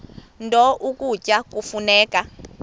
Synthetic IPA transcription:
ndʱɔʔukucʼakufunɛːka

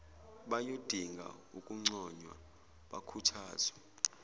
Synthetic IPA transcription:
ɓajod̥ʱiŋɡʱa̰ukʼuŋ͡ǀɔɲwa̰ | ɓakʰutʰaːzwɛ

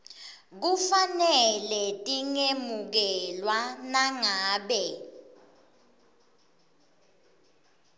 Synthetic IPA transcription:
k̬ufanɛlɛtʼiŋemuk̬ɛlwanaŋaːɓɛ

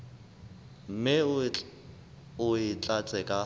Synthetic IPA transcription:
m̩mɪ | ʊɪt͡ɬʼat͡sʼɛkʼa

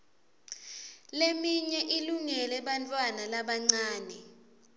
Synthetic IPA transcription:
lemiɲɛʔiluŋɛlɛɓantʼwanalaɓaŋ͡ǀaːnɛ

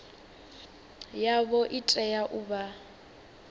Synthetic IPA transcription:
jaβɔʔitʼɛjaʔuba

